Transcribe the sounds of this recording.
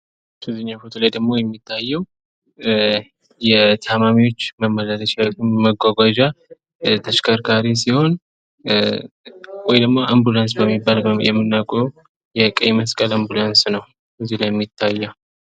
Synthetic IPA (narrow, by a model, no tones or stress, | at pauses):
t̪ʰɨzɨɲːafot̪ʰulajd̪əɡmo̞jɛmːit̪ʰːajːɛw | jɛt̪ʰamamiwo̞t͡ʃːməmːələləʃawumməɡʷaɡʷad͡ʒa | t̪ʰəʃkʰaɾkʰaɾis̬iho̞n | wɔjd̪əɡmo̞ʔambulans̬bəmːibːaljɛ̰mːɨnːakʼu | jɛkʼəjməskʼəlambulansnəw | əzihlajɛmːit̪ʰːajːɛw